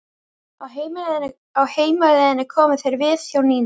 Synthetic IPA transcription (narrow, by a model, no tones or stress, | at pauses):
ahejm | awheːjmaɾɪnːɪkʰɔːmɪθejɾvɪðjawniːn